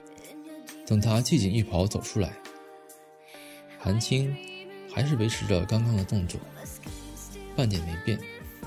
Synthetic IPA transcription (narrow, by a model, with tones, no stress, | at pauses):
t̪ɤ˨˩ŋt̪ʰa˥t͡ɕi˥˩t͡ɕi˨˩ŋi˥˩pʰɑ˧˥ʊt͡so˨˩ʊʈ͡ʂʰu˥la̰˧˥ɪ | xa˧˥nt͡ɕʰi˥ŋxa˧˥ɪʂɻ̩˥˩we˧˥ɪʈ͡ʂʰɻ̩˧˥ʈ͡ʂə˧kɑ˥ŋkɑ˥ŋd̪ə˨t̪ʊ˥˧ŋt͡swo̰˥˩ | pa˥˩nt̪̬jɛ˨˩nme˧˥pjɛ˥˩n